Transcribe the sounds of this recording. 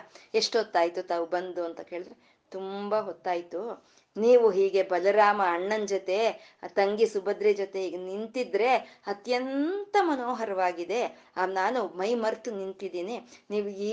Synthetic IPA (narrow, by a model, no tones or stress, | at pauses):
eʂʈɦot̪ːaːjit̪ut̪aːʋubɐnd̪uɐnt̪ɐke̞ːɭid̪ɾe | t̪umbɐɦot̪ːaːjit̪u | niːʋuɦiːɡe̞bɐlɐɾaːmɐːɳːɐnd͡ʒɐt̪e̞t̪ɐŋɡisubɐd̪ɾed͡ʒot̪e̞ɦiːɡenint̪id̪ɾe̞ɐt̪jɐnt̪ɐmɐnoːɦɐɾɐʋaːɡid̪e̞ | anaːnumɐjmɐɾt̪unint̪id̪iːniniːʋuiː